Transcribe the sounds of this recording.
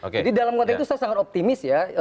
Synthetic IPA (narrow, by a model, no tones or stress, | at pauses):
d͡ʒadidalamkot̪ait̪usaasaŋat̪op̚t̪imɪsja